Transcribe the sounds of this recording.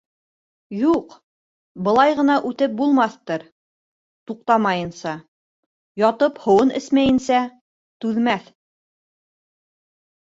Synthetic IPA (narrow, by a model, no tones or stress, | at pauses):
juq | bɤ̆lˠɑjʁɤ̆nɑʔʉt̪ɘp̚bulˠmɑθt̪ɤɾ | t̪uq̚t̪ɑmɑjɤ̆nsɑ | jɑt̪ɤphŏwɤnɘsmæjɘ̆nsæ | t̪ʉðmæθ